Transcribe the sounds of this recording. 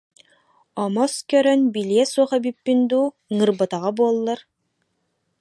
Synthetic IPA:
ɔmɔskœɾœnbiliɛsuɔχɛbipːind̪uː | ŋɯɾbat̪aʁabuɔlˠːaɾ

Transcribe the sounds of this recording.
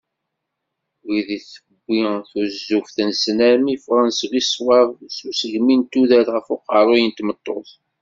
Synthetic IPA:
wiðiθəbːiθuzːufθənsnæmifʁænsɣiswɑɾˤsusəʝmint̪uðælʁəfʊqɑɾˤojənt̪mət̪ˤːoθ

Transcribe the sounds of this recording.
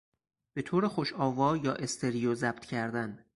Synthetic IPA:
b̥e̞t̪ʰoːɾexoʃɒːvɒːjɒːʔe̞st̪ʰeɾijozæb̥̚t̪ʰcʰæɾd̪æn

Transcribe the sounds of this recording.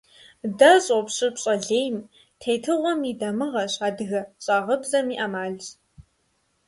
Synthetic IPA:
dɐɕʼɔpɕʼɪpɕʼɐɮeːjm | tʰejtʰɨʁʷɔmiːdɐmɨʁɐɕaːdɨɣɐɕʼaːʁɐbzɐmiːʔɐmaːɮt͡ɕ

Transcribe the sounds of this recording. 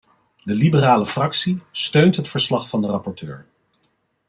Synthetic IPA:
dəlibəraːləfrɑksistøɥntɦətfəɹslɑχfɑndərɑpɔɹtø̰ːɹ

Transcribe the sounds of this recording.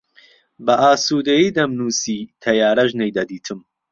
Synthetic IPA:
bɐʔaːsuːd̪ejiːd̪ɐmnuːsiːt̪ʰɐjaːɾɐʒnejd̪ɐd̪iːt̪ʰɨm

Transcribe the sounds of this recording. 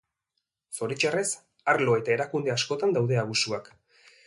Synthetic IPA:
so̞ɾit͡ʃares | aɾlo̞e̞t̪ae̞ɾakund̪e̞asko̞t̪and̪awðe̞aβusuak

